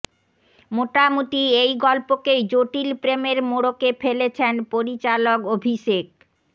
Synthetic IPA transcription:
moʈamuʈiejɡɔlpokejd͡ʑoʈilpɾemeɾmoɽokefelet͡ɕʰenpoɾit͡ɕalokobʱiʃek

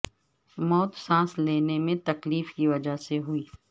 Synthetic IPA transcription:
mɔːt̪sãːsleːnemẽt̪ɐkliːfkiʋɐd͡ʒaseɦʊiː

